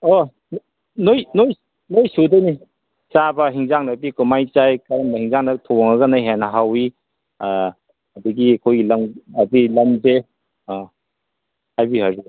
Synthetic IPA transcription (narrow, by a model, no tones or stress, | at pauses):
o | n | nojnoj | nojsudɐjni | t͡ʃabɐɦiŋzaŋnɐbikumajt͡ʃajkaɾɐmbɐhiŋzaŋnɐtʰoŋɐɡɐnajɦenɐɦawi | ɐdɐɡiɐkʰojɡilɐmɐdilɐmze | hajbiɦaɾu